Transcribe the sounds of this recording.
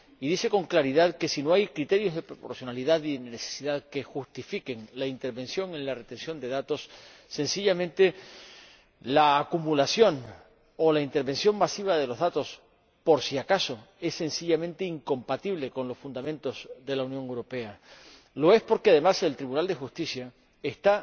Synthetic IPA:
iðise̞ko̞ŋklaɾiðaðke̞sino̞ajkɾit̪e̞ɾjo̞zðe̞pɾopo̞̰ɾsjo̞naliðaðinenese̥siðaðke̞xust̪ifike̞ŋlaint̪e̞ɾβẽ̞nsjo̞ŋẽ̞nlare̞t̪e̞nsjo̞nd̪e̞ðat̪o̞sː | e̞nsiʎamẽ̞nt̪e̞ | laːkumulasjo̞n | o̞laint̪e̞ɾβẽ̞nsjo̞ŋmasiβ̞aðe̞lo̞zðat̪os | po̞ɾsiakaso̞ | e̞sːe̞nsiʎamẽ̞nt̪e̞iŋkõ̞mpat̪iβ̞le̞ko̞nlosfund̪amẽ̞nt̪o̞zðe̞launjoŋewɾo̞pe̞a | lo̞e̞spo̞ɾkeaðe̞mase̞lt̪ɾiβunald̪e̞xust̪isja | e̞st̪a

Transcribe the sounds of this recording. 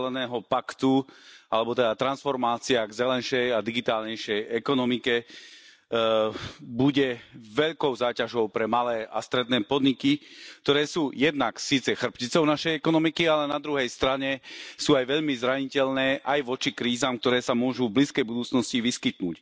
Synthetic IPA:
lɛnɛːɦɔpakt̪ualɛbɔt̪ɛd̪at̪ɾansfɔɾmaːt͡siaːɡzɛlɛnʃɛjad̪iɡit̪aːlɲɛjʃɛjɛkɔnɔmikɛ | buɟɛʋɛʎkɔʊzaːcaʒɔʊpɾɛmalɛːa̰st̪ɾɛd̪nɛːpɔd̪ɲikik̚t̪ɔɾɛːsuːjɛd̪naksiːt͡sɛxr̩pcit͡sɔʊnaʃɛjɛkɔnɔmikialɛnad̪ɾuɦɛjst̪ɾaɲɛsuːajʋɛʎmizɾaɲicɛʎnɛːʔajʋɔt͡ʃikɾiːzaːmk̚t̪ɔɾɛːsamʊɔʒuvbliskɛjbud̪uːt͡snɔsciʋiskit̪nṵːc

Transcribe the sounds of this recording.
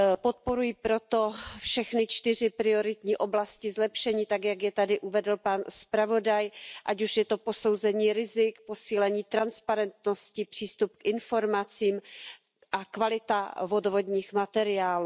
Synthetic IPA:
po̞t̪̚po̞ɾujipɾo̞t̪o̞fʃɛxnɪt͡ʃt̪ɪr̝ɪpɾɪo̞ɾɪt̪ɲiːʔo̞blascɪzlɛpʃɛɲiːt̪aɡjaɡjɛt̪adɪʔuvɛdl̩panspɾavo̞dajʔacuʃjɛt̪o̞po̞so̞wzɛɲiːɾɪzɪkposiːlɛɲiːt̪ɾanspaɾɛnt̪no̞scɪpr̝̥iːst̪up̚kʔɪnfo̞ɾmat͡siːm | ʔakvalɪt̪avo̞dovo̞dɲiːxmat̪ɛɾɪaːluː

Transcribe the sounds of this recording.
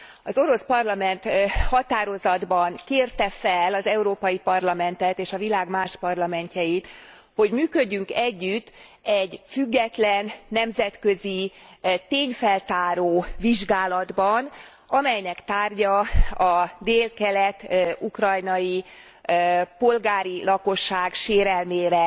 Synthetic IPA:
ɒzo̞ɾo̞spɒrlɒmɛnt̪hɒt̪aːɾo̞zɒd̪bɒŋkeːrt̪ɛfɛlɒzɛuɾoːpɒjipɒrlɒmɛnt̪ɛt̪eːʃɒvilaːɡmaːʃpɒrlɒmɛɲcɛjit̪ | ho̞ɟmyːkøɟːyŋkɛɟːyt̪ː | ɛɟfyɡːɛt̪lɛnːɛmzɛt̪kø̞zit̪eːɲfɛlt̪aːɾoːviʒɡaːlɒd̪bɒn | ɒmɛjnɛkt̪aːrɟɒɒd̪eːlkɛlɛt̪ːukrɒjnɒji | po̞lɡaːɾilɒko̞ʃːaːɡʃeːɾɛlmeːɾɛ

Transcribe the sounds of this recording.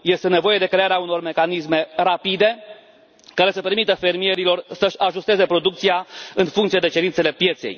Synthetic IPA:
je̞st̪e̞ne̞vo̞je̞d̪e̞kɾe̞aɾeauno̞rme̞kanis̬me̞ɾapid̪e̞ | kaɾe̞səpe̞ɾmit̪əfe̞rmije̞ɾilo̞rsəʃʲaʒust̪e̞ze̞pɾo̞d̪uk̚t̪sijaɨnfuŋkt̪sied̪e̞t͡ʃe̞ɾint̪se̞le̞pje̞t̪se̞̰j

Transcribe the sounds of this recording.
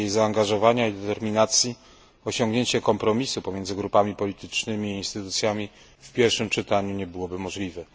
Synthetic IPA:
jejzaːŋɡaʐɔvaɲaid̪ɛt̪ɛɾmʲinat̪sʲji | ɔɕɔŋɡɲeɲt͡ɕɛkɔmpɾɔmʲisupɔmʲjɛnd̪zɘɡɾupamʲipɔlʲit̪ɘt͡ʂnɘmʲiːnst̪ɘt̪ut̪sʲjamʲi | fpʲjɛɾfʂɘmt͡ʂɘt̪aɲuɲɛbɘwɔbɘmɔʐlʲivɛ

